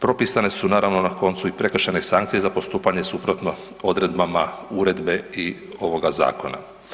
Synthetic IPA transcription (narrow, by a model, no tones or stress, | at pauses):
pɾo̞pisane̞sunaːɾaʋno̞nako̞nt̪suipɾe̞kr̩ʃenesaŋkt̪sijezapo̞st̪uːpaɲesupɾot̪no̞ | o̞d̪ɾe̞d̪bamauɾe̞d̪be̞i | o̞ʋo̞ɡaza̰ːko̞na̰